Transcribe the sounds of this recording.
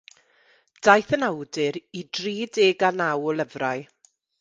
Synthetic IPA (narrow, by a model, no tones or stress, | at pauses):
d̥ajθənawdɨɾidriːdeːɡanawɔlˠəvraɨ